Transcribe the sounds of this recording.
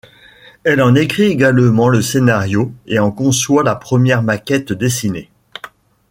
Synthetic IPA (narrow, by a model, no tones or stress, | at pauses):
ɛlɑ̃nekχieɡalmɑ̃ləsenaʁjoeɑ̃kɔ̃swalapχəmjɛʁmakʲɛt̪d̪esine